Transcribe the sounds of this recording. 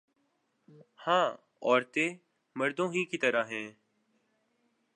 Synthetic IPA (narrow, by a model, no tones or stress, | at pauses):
hãː | ɔːɾt̪eː | məɾd̪õːɦiːkiːt̪əɾaɦɛ̃ː